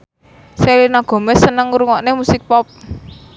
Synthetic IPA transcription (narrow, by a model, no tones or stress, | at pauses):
selinaɡ̥ɔ̤mɛsənəŋuɾuŋɔʔnemusɪk̚pɔp̚